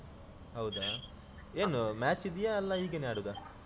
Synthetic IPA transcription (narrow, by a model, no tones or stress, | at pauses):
ɦɐwd̪a | eːnumaːt͡ʃid̪ijaɐlːɐiːɡenaːɽud̪a